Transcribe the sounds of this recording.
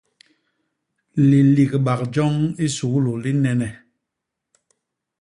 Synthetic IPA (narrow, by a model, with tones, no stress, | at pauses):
li˨li˨ɣɓa˨kd͡ʒɔ˦ŋi˦su˨ɣlu˨li˦nɛ˨nɛ˨